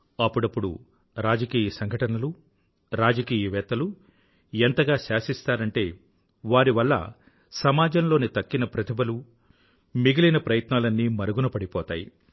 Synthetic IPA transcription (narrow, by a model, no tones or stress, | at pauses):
ɐpːuɽɐpːuɽṵ | ɾaːd͡ʒɐkiːjɐsɐŋɡʱɐʈɐnɐlu | ɾaːd͡ʒɐkiːjɐʋɛːt̪ɐlu | ent̪ɐɡaːʃaːʃist̪aːɾɐɳʈe̞ː | ʋaːɾiʋɐlːɐ̰ | sɐmaːd͡ʒɐmlo̞ːnit̪ɐkːinɐpɾɐt̪ʰibɐlu | miɡilinɐpɾɐjɐt̪naːlɐnːimɐɾɐɡunɐpɐɽipɔːt̪aːjḭ